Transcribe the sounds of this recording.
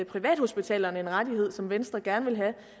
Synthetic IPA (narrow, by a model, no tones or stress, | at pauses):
pʰʁiʋɛ̰ːd̥ho̝sb̥it͡sʰɛ̰ːlɐːne̝nʁɑ̈diɦe̝ð̞̰ˠsɒ̽mʋensd̥ʁɐɡ̥æɐnʋe̝lɦæ